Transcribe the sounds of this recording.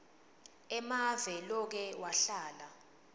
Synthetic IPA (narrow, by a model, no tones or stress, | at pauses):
ɛmavɛlɔk̬ɛwaɬaːla